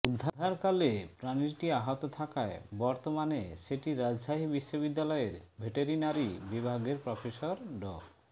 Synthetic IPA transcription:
ud̪ʱːaaɾkalepɾaniɾʈiaɦot̪ot̪ʰakaebɔɾt̪omaneʃeʈiɾad͡ʑʃaɦibiʃːobid̪ːalɔeɾbʱeʈeɾinaɾibibʱaɡeɾpɾɔfeʃoɾɖɔ

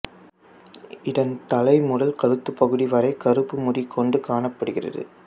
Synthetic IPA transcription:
ʔɪɽɐnt̪ɐlɐɪmʊɽɐlkɐɻɯt̪ːɯpːɐɣɯɽiʋɐɾɐɪkɐɾɯpːɯmʊɽikʰːɔɳɖɯkaːɳɐpːɐɽɯɣɪrɐ̰ðɯ̰

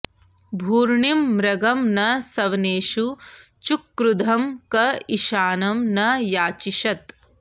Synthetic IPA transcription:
bʱuːɾɳimːɾɐɡɐmnɐsɐʋneːʃu | t͡ʃukːɾud̪ʱɐmkɐiʃaːnɐmnɐjaːt͡ʃiʃɐt̪

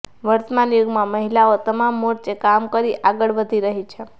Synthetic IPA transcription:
ʋəɾt̪əmanjuɡmãməɦilaot̪əmamːoʈt͡ʃekamkəɾiʔaɡəɭʋəd̪ʱiɾəɦit͡ʃʰe

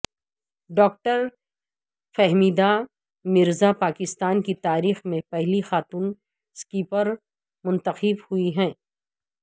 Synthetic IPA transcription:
ɖɔːk̚ʈəɾ | fɛɦmiːd̪a | mɪɾzapaːkɪst̪aːnkit̪aːɾiːxmẽpɛɦlixaːt̪uːn | skiːpəɾ | mʊ̃nt̪əxɪbhuiɦɛ̃ː

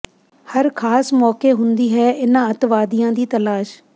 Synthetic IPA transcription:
həɾkʰaːsmɔːkeːɦʊnd̪iːɦɛːʔɪnãːət̪ʋaːd̪ɪjãːd̪iːt̪əlaːʃ

